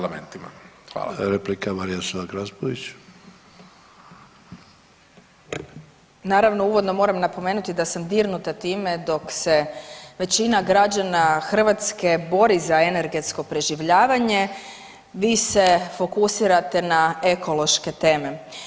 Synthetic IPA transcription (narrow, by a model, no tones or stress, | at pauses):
lamḛnt̪ima̰xa̰ːɾeplikamaɾijasoaɡɾazboʋit͡ɕ | naːɾaʋno̞uʋo̞d̪no̞mo̞ːɾamnapo̞meːnut̪id̪asamd̪iːɾnut̪at̪iːme̞d̪o̞kseʋe̞t͡ɕinaɡɾad͡ʑanaxr̩ʋat̪ske̞bo̞ɾizaene̞ɾɡe̞t̪sko̞pɾe̞ʒiʋʎaːʋaɲe̞ | ʋiːse̞fo̞kusiɾat̪e̞nae̞ko̞lo̞ʃke̞t̪e̞ːme̞